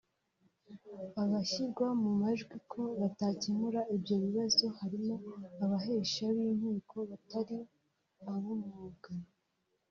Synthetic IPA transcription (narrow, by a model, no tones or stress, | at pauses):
aβaçiɾɡwamumaʒɡwikʰo̞βatacimuɾaibɟo̞βiβazo̞haɾimo̞aβaɦe̞ʃaβiːnhiːkʰo̞βataɾi | aβumuɡan